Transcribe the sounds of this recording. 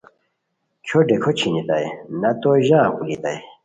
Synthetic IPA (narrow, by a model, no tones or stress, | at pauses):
kʰoɖekʰot͡ɕʰinit̪ajnɐt̪oʑakulit̪aj